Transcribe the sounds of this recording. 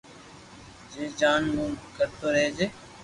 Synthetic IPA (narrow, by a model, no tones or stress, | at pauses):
d͡ʒeːd͡ʒaːnmũːkəɾt̪oːɾeːd͡ʒeː